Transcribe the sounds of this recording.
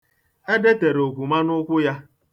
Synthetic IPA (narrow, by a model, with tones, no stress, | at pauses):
e˦de˦te˨ɾo˨kʷu˨ma˦nʊ˦kʷʊ˦ja˦